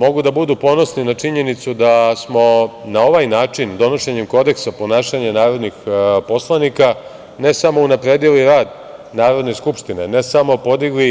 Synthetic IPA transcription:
mo̞ɡud̪abud̪upo̞no̞sninat͡ʂiɲe̞nit̪sud̪asmo̞nao̞ʋajnaːt͡ʂind̪o̞no̞ʃeɲemko̞d̪e̞ksapo̞naːʃaɲanaːɾo̞d̪nixpo̞slˠanika | ne̞samo̞unapɾe̞ːd̪iliɾaːd̪ | naːɾo̞d̪ne̞skupʃt̪ine̞ne̞samo̞po̞d̪iɡli

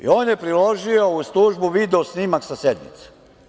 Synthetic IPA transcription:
ḭoːnjepɾilo̞ʒio̞ust̪uːʒbuʋid̪eosnimaksased̪mḭt̪se̥

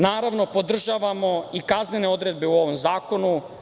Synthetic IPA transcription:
naːɾaʋno̞pod̪r̩ʒaːʋamo̞ikazne̞ne̞o̞d̪ɾed̪̚be̞uo̞ʋomzaːko̞nu

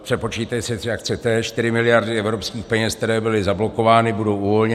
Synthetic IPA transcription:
pr̥ɛpo̞t͡ʃiːt̪ajsɛt̪rɪakt͡sɛt̪ɛʃt̪ɪɾɪmɪlɪjaɾdɪɛvɾo̞pskiːxpɛɲɛskt̪ɛɾɛːbɪlɪzablo̞ko̞vaːnɪbudo̞wʔuvo̞lɲɛ

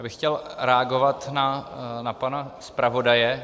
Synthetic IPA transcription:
bɪxːcɛlɾɛaɡo̞vat̪nanapanaspɾavo̞dajɛ

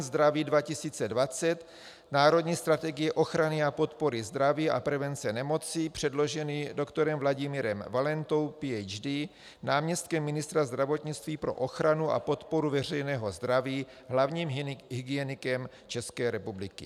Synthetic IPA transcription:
zd̪ɾaviːdvacɪsiːt͡sɛdvat͡sɛt̪ | naːɾo̞d̪ɲiːst̪ɾat̪ɛɡɪjɛʔo̞xɾanɪapo̞t̪po̞ɾɪzd̪ɾaviːʔa̰pɾɛvɛnt͡sɛnɛmo̞t͡sipr̝̥ɛdlo̞ʒɛnido̞kt̪oɾɛmvlaɟɪmɪɾɛmvalɛnt̪owpiɛjd͡ʒdiː | naːmɲɛst̪̚kɛmːɪnɪst̪ɾazd̪ɾavo̞t̪ɲɪt͡st̪viːpɾo̞̰ʔo̞xɾanuʔa̰po̞t̪po̞ɾuvɛr̝ɛjnɛːɦo̞zd̪ɾaviː | ɦlavɲiːmɦiɡɪjɛnɪkɛm | t͡ʃɛskɛːɾɛpublɪkɪ̰

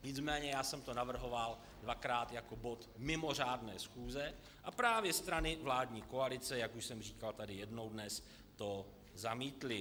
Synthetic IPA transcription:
ɲɪt͡smɛːɲɛjaːsɛmt̪o̞navr̩ɦo̞val | dvakɾaːt̪jako̞bo̞t̪mɪmo̞r̝aːdnɛːsxuːzɛ | ʔapɾaːvjɛst̪ɾanɪvlaːdɲiːkoalɪt͡sɛjakuʃsɛmr̝iːkalt̪adɪjɛdno̞wdnɛs | t̪o | zamiːt̪lɪ

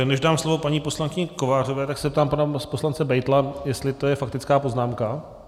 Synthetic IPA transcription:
nɛʒdaːmslo̞vo̞paɲiːpo̞slaŋkɪɲɛko̞vaːr̝ovɛːt̪aksɛzɛp̚t̪aːmpanaposlant͡sɛbɛjt̪lajɛst̪lɪt̪ojɛfak̚t̪ɪt͡skaːpo̞znaːmka

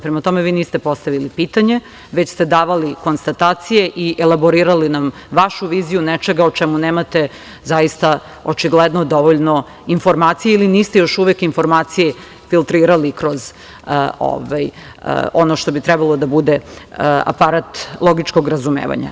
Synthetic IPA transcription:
pɾemat̪o̞meʋiːniːst̪epo̞st̪aʋilipiːt̪aɲe̞ | ʋet͡ɕst̪ed̪aːʋaliko̞nst̪at̪aːt̪sijeʔiʔelaboɾiːɾalinam | ʋaʃuʋiːzijunɛt͡ʃeɡaot͡ʃɛmuneːmat̪e̞ | zajist̪a | ot͡ʃiɡled̪nod̪o̞ʋoʎno̞ | info̞ɾmaːt̪sijeiliniːst̪ejo̞ʃuʋekinfo̞ɾmaːt̪sije | filˠt̪ɾiːɾalikɾo̞z | o̰ʋaj̰ | onoʃt̪o̞bit̪ɾɛbalˠod̪abud̪ea̰paɾat̪lˠoɡit͡ʃko̞ɡɾazumḛːʋa̰ɲa̰

